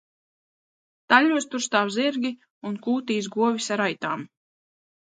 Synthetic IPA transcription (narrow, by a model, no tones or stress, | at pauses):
t̪alʲuɔst̪uɾst̪aːwziɾɡʲi | unkuːt̪iːs̬ɡuɔvisaɾajt̪aːm